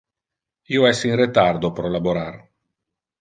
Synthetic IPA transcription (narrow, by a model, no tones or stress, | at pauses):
ioɛsinret̪ard̪opɾɔlaboɾar